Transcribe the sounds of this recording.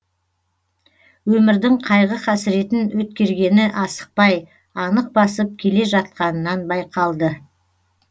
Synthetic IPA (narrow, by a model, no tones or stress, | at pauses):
wɵmɪɾd̪ɪŋqʰɑjʁəqæsɪɾe̞t̪ɪnwɵt̪̚kʲe̞ɾɡʲe̞nɪʔɑsə̥q̚pɑj | ɑnəq̚bɑsəp̚kʲʰe̞le̞ʒɑt̪̚qɑnənɑnbɑjqʰɑlˠd̪ə